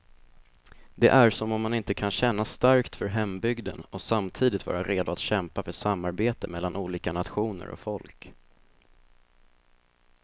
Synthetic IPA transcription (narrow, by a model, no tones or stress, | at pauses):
d̪ɛ̰ʔæɾʂɔmɔmːanɪnt̪əkʰanɕɛnːast̪aɾkt̪fœɾɦɛmbʏɡd̪ə̰nɔsamt̪ʰiːd̪ɪt̪vɑ̰ːɾaɾeːd̪ʊat̪ɕɛmpafœʂamːaɾbeːt̪əmɛlːanʔuːliːkanat̪ɧuːnə̰ɾɔ̰fɔlk